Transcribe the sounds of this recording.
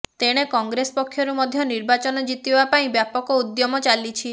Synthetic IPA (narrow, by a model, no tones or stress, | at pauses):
t̪eɽ̃ekɔŋɡɾesɔpɔkʰːjɔɾumɔd̪ʱjɔniɾbat͡ʃɔnɔd͡ʒit̪ibapaĩbjapɔkɔud̪jɔmɔt͡ʃalit͡ʃʰi